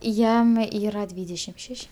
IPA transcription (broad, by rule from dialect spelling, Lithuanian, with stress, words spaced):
ˈjɛm ˈiːrɐ ˈdʲʋʲiːdʲɛʃʲɪm ˈʃʲɛʃʲ